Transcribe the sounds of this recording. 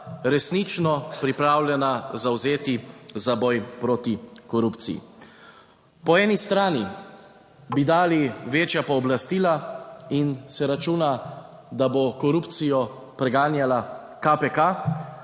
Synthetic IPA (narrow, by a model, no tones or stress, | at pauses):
ɾɛsnit͡ʃnɔpɾipɾaːwlʲjɛnazawzeːt̪izabɔjpɾoːt̪ikɔɾupt̪sijḭ | pɔɛːnist̪ɾaːni | bid̪aːliʋeːt͡ʃjapɔːblast̪iːlainsɛɾat͡ʃuːna | d̪abokɔɾuːpt̪sijɔ | pɾɛɡaːnjala | kapɛka